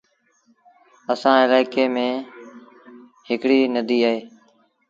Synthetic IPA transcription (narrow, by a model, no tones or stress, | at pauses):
əsãːɪlaːɪkeːmẽː | hɪkɽiːnəd̪iːaːɦeː